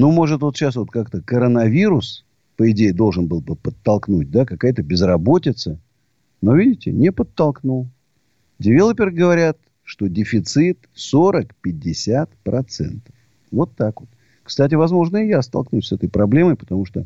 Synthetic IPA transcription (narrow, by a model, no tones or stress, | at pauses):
numo̞ʐɨt̪vot̪ɕasvo̞t̪kakt̪əkəɾənɐvʲiɾʊs | pəɪdʲejɪd̪o̞lˠʐɨnbɨlˠbɨpət̪ːɐlˠknut̚ʲd̪akɐkajt̪əbʲɪzrɐbo̞tʲɪt̪sə | novʲidʲɪtʲɪ̰nʲɪpət̪ːɐlˠknulˠ | dʲɪvʲelˠəpʲɪrɡəvɐɾʲat̪ | ʂt̪odʲɪfʲɪt̪sɨt̪so̞ɾəkpʲɪd̚ʲːɪsʲat̪pɾɐt̪sɛ̰nt̪əf | vo̞t̪ːakvot̪̚ | kst̪at̬ʲɪvɐzmo̞ʐnəɪjast̪ɐ̰lˠknusʲsɛt̪əjpɾɐblʲe̞məjpə̥t̪ɐmuʂt̪o